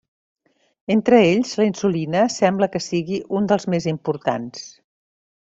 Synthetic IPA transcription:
ent̪ɾəeʎzləinsulinəsɛmbləkəsiɣiʔund̪əlˠzmezimpuɾt̪a̰ns

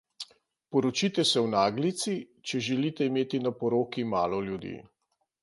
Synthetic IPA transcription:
pɔɾɔt͡ʃit̪ɛsɛwnaːɡlit̪si | t͡ʃɛʒɛlit̪ɛimeːt̪inapɔɾoːkimaːlɔljud̪ḭː

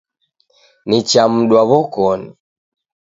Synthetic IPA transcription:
nit͡ʃam̩ɗwaβɔkɔni

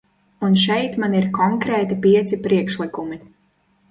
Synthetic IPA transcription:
unʃɛjt̪maniɾkɔŋkɾɛːt̪ipiɛt̪sipɾiɛkʃlˠikumi

